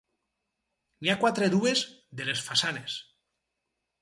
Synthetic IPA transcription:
niakwat̪ɾeðuezðelesfasanes

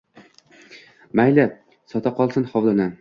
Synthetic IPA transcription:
majla | sɒt̪ʰaqɒlˠsɨnχɒwd̪ana

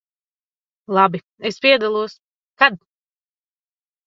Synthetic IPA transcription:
lˠabi | espiɛd̪alˠuɔs | kad̪̚

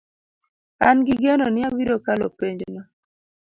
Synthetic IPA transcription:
anɡiɡenonɪawiɾokalo̰peɲd͡ʒonɔ

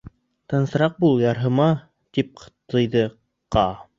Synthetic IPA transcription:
t̪ɤ̆nsɤ̆ɾɑq̚bulˠjɑɾɦɤ̆mɑ | t̪ip̚t̪ɤ̆jðɤ | qɑ

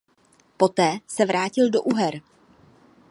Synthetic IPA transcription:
po̞t̪ɛːsɛvɾaːcɪldoʔuɦɛɾ

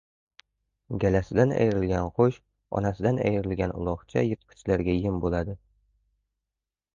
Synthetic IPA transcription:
ɡʲælasɪd̪anæ̰jɾɪlɡʲanqoʃ | ɒ̰nasɪd̪anæ̰jɾɪlɡʲanʊ̰lˠɒʁt͡ʃʰa̰jɨt̪̚qʰɪ̥t͡ʃlæɾɡʲajɪmbolˠad̪ɪ

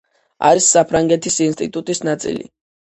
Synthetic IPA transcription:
a̰ɾisːapʰɾaŋɡɛt̪ʰisinst̪ʼit̪ʼut̪ʼisnat̪sʼḭlḭ

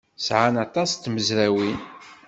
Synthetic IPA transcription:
sʕanɑt̪ˤɑst̪ːməzɾæwin

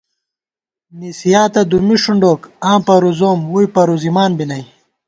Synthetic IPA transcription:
nisijaːt̪ɐd̪umiʂuɳɖokãːpɐɾuzoːmwujpɐɾuzimaːnbinɐj

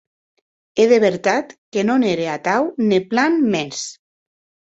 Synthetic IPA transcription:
eðeβeɾt̪at̪kenoneɾeat̪awniplanmes

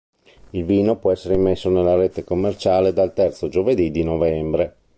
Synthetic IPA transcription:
ilviːnopwɔɛsːeɾeimːesːonelːaɾet̪ekomːert͡ʃaːled̪alt̪ɛrt̪sod͡ʒoved̪id̪inovɛmbɾe

